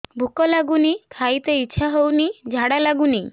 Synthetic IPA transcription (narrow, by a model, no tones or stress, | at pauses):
bʱukɔlaɡunikʰajt̪eitːʃʰaɦownid͡ʒʱaɽalaɡuni